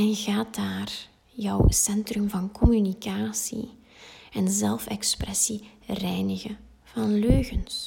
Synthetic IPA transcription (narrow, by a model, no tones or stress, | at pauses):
ɛnɣaːtaːr | jœwsɛntrɵmvɑnkɔmynikaːsḭ | ɛnzɛlˠfɛksprɛsirɛjnəɣə | v̥ɑnløːɣəns